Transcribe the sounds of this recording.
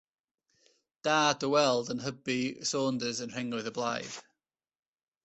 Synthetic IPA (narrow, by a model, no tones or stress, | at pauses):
d̥aːdəwɛlˠdə̃nɦəbisɔːndəzə̃nɹ̥ɪ̃ŋwɪðəblaɪv̥